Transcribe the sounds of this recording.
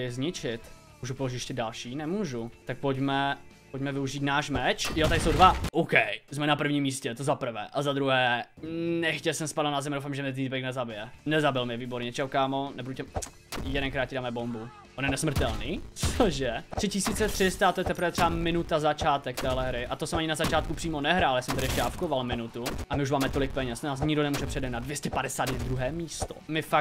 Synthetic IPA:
ɪzɲɪt͡ʃɪt̪ | muːʒupoloʒɪɛʃcɛdalʃiːnɛmuːʒut̪ak̚poɟmɛpoɟmɛvɪuʒiːt̪naːʃmɛt͡ʃjot̪aɾɪsowdvaʔowkɛjzmɛnapr̩vɲiːmːiːscɛt̪ozapr̩vɛ̰ːʔazad̪ɾuɦɛːnɛxcɛlsɛmspadlnazɛmdowfaːmʒɛmɲɛt̪it̪bɛknɛzabɪjɛnɛzabɪlmɲɛviːboɾɲɛt͡ʃɛɦokaːmonɛbuducɛ | jɛdɛnkɾaːt̪̚cɪdaːmɛbo̞mbu | ʔonjɛnɛsmr̩t̪ɛlniːoʒɛt̪r̥ɪcɪsiːt͡sɛt̪r̥ɪst̪aat̪ojɛt̪ɛpɾ̩vɛt̪r̥ɛamɪnut̪azat͡ʃaːt̪ɛk̚t̪ɛːɦlɛɦɾɪʔat̪osɛmaɲɪnazat͡ʃaːt̪̚kupr̥iːmo̞nɛɦɾaːljasɛmt̪adɾɪjɛʃcɛafkovalmɪnut̪uʔamɪuʃmaːmɛt̪o̞lɪk̚pɛɲɛst̪naːs̬ɲɪɡdonɛmuːʒɛpr̥ɛdɛnadvjɛscɛpadɛsaːd̪jɛd̪ɾuɦɛːmiːst̪o̰mɪfa

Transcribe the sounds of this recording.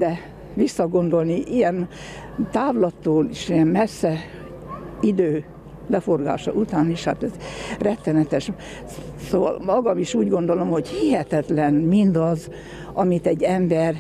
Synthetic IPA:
d̪ɛ | ʋisːɒɡo̞nd̪o̞lniʔijɛn | t̪aːvlɒt̪ːoːliʃijɛnmɛsːɛ | id̪øː | lɛfo̞rɡa̰ːʃɒ̰ʔut̪aːniʃha̰t̪ɛzrɛt̪ːɛnɛt̪ɛʃ | soːvɒ̰lmɒɡɒmiʃuːɟɡo̞nd̪o̞lo̞mho̞ɟhiɦɛt̪ɛt̪lɛnmind̪ɒz | ɒmit̪ɛɟːɛmbɛr

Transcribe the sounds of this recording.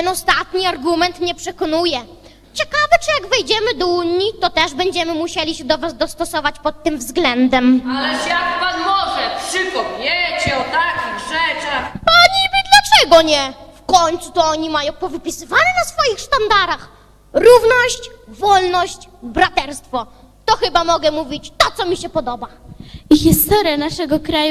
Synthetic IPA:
t̪ɛnɔst̪at̪ɲiaɾɡumɛnt̪ɲɛpʂɛkɔnujɛ | t͡ɕɛkavɘt͡ʂɛjaɡvɛjd͡ʑɛmɘd̪ɔuɲːit̪ɔt̪ɛʐbɛɲd͡ʑɛmɘmuɕɛlʲiɕɛd̪ɔvazd̪ɔst̪ɔsɔvat͡ɕpɔt̪ːɘmvzɡlɛnd̪ɛmalɛʂjakvasmɔʐɛfʂɨkɔpʲjɛt͡ɕɛɔt̪akʲiɣʐɛt͡ʂaxpaɲibʲɘd̪lat͡ʂɛɡɔɲɛfkɔɲt̪sut̪ɔɔɲimajɔ̃w̃pɔvɘpʲisɘvanɛnasfɔjixʂt̪and̪aɾax | ɾuvnɔɕt͡ɕvɔlnɔɕt͡ɕbɾat̪ɛɾst̪fɔ | t̪ɔxɘbamɔɡɛmuvʲit͡ɕt̪ɔt̪ɔmʲiɕɛpɔd̪ɔbaixʲist̪ɔɾjanaʂɛɡɔkɾaj

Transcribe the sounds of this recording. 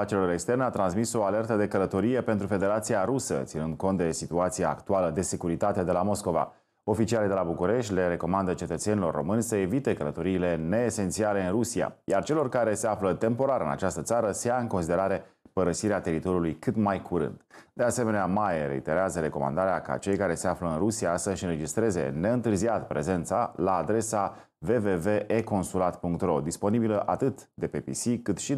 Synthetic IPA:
at͡ʃeloɾekst̪e̞rneat̪ɾansmiso̞ale̞rt̪əd̪e̞kələt̪o̞ɾije̞pent̪ɾufe̞d̪e̞ɾat̪siaɾusə̰t̪sinɨnd̪̚ko̞nt̪̚d̪esit̪uat̪sija̰ːkt̪ualəd̪e̞se̞kuɾit̪at̪e̞d̪e̞lamo̞sko̞va̰ | o̞fit͡ʃialid̪elabukuɾe̞ʃt̪ʲle̞ɾe̞ko̞mand̪ət͡ʃe̞t̪ət̪se̞nilo̞rːo̞̰mɨnʲsəe̞vit̪e̞kələt̪o̞ɾiːle̞ne̞ːse̞nt̪siale̞ɨnrusia̰jart͡ʃe̞lo̞rkaɾe̞se̞aflət̪e̞mpo̞ɾaɾɨna̰t͡ʃast̪ət̪saɾəsejaɨŋko̞nsid̪e̞ɾaɾe̞pəɾəsiɾeat̪e̞ɾit̪o̞ɾiulujkɨt̪majkʰuɾɨ̰nd̪̥d̪e̞ase̞me̞neamajeɾe̞̰ḭt̪e̞ɾeazəɾe̞ko̞̰ma̰nd̪aɾeaka̰t͡ʃe̞jkaɾe̞se̞afləɨnrusiasəʃɨnɾe̞d͡ʒist̪ɾe̞ze̞̰ne̞ɨnt̪ɨrziat̪pɾe̞ze̞nt̪sa̰laːd̪ɾe̞sa | ve̞ve̞ve̞ʔeko̞nsulat̪puŋk̚t̪ro̞d̪ispo̞nibiləʔat̪ɨt̪d̪e̞pepḭsikɨt̪ʃi

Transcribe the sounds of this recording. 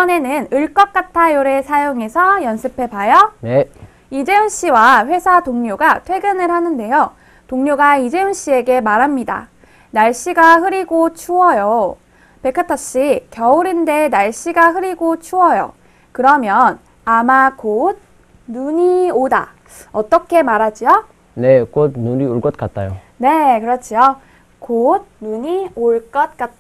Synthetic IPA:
iʌne̞nɯnɯɭk͈ʌk̚k͈atʰajoɾesʰajoŋe̞sʰʌjʌnsʰɯpʰe̞bajʌn | id͡ʑe̞unɕ͈iwaɸwe̞sʰatoŋɲoɡatʰwe̞ɡɯnɯɭhanɯnde̞jo | toŋɲoɡaid͡ʑe̞unɕ͈ie̞ɡe̞maɾɦamɲida̰ | naɭɕ͈iɡaɦɯɾiɡot͡ɕʰuʌjo | pe̞kʰatʰʌɕ͈ikjʌuɾinde̞naɭɕ͈iɡaɦɯɾiɡot͡ɕʰuʌjo̰ | kɯɾʌmjʌn | amakod̚ | nuɲioda̰ | ʌt͈ʌkʰe̞maɾad͡ʑio | ne̞kot̚nuɲioɭk͈ʌt̚k͈at̚t͈ajo | ne̞kɯɾʌt͡ɕʰijo | kod̚nuɲioɭk͈ʌt̚k͈at͈̚

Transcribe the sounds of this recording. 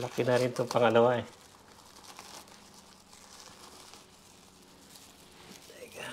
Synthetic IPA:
lakɪnaɾɪnt̪oŋpaŋalawae

